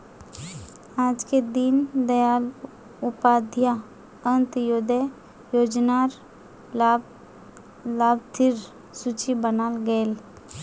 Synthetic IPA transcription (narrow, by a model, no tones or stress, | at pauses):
aːd͡ʒked̪ind̪əjaːl | ʊpaːd̪ʱja | ə̃nt̪joːd̪e | joːd͡ʒnaɾ | laːbt̪ʰɪɾ | suːt͡ʃibənaːlɡəel